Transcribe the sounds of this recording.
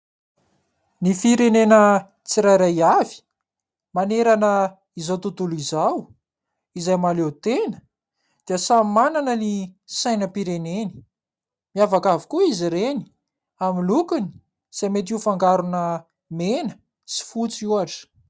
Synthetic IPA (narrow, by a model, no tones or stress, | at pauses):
nifiɾenenə | t͡siɾajɾajavi̥ | maneɾanə | izawt̪ut̪ulizaw | izajmalewt̪enə̥ | d̪̥iəsammananənisajnəpiɾeneni̥ | miavakavi̥kuiziɾeni̥ | aminlukini̥ | z̥amet̪̬iufaŋɡaɾunə | menə̥ | si̥fut͡siuaʈ͡ʂə̥